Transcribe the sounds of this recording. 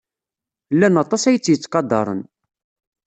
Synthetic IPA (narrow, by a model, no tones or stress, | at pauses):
lːænɑt̪ˤɑsæjət͡sːjət͡sːqɑd̪ˤːɑ̰ɾˤə̰n